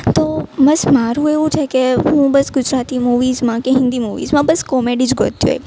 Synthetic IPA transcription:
t̪oməsmaɾũeʋũt͡ʃʰekeɦũbəsɡʊd͡ʒɾat̪imuʋizmãkeɦɪ̃nd̪imuʋḭzmãbəskɔmeɖid͡ʒɡʱo̰t̪jṵḛ

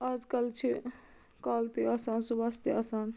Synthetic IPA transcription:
aːd͡ʒkɐlt͡ʃʰi | kaːlpiaːsaːnsubaːst̪eaːsaːn

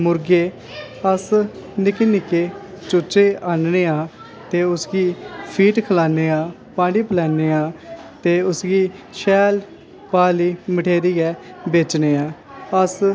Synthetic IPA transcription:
mʊɾɡeː | əs | nɪkeːnɪkːeː | t͡ʃʊːt͡ʃeːaːnneːãː | t̪eːʊsɡiːpʰiːʈkʰəlaːneːãː | pãːɖiːpəlɛːneːãːt̪eːʊsɡiːʃɛːl | paːliːməʈʰeːɾiːɛːbeːt͡ʃneːãː | əs

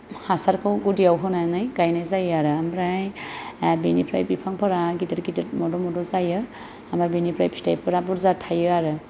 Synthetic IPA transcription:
hasaɾkʰɯwɡudiawɦɔnanajɡajnajzajɯaɾɯamɾaj | binipʰɾajbipʰaŋpʰɔɾaɡidɯɾɡidɾmɔdɔmɔdɔzajɯ | amɾajbinipɾajpistajpʰɯɾabuɾzatʰajɯaɾɯ

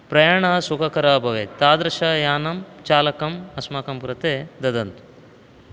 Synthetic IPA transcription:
pɾɐjaːɳɐsukʰɐkɐɾaːbʱɐʋet̪aːd̪ɾɐʃɐjaːnɐmt͡ʃaːlɐkɐmɐsmaːkɐmkɾɐt̪eːd̪ɐd̪ɐnt̪u̥

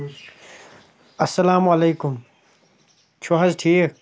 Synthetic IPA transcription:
ɐsːɐlaːmɐleːkʊm | t͡ɕʰuɦɐzʈʰiːk

